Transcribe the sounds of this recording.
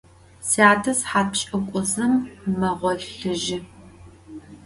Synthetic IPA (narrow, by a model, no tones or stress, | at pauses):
siaːtʰɐsħaːt̚ɕʼɐkʷʼʊzɨmːɐʁʷɔɬɨʒɪ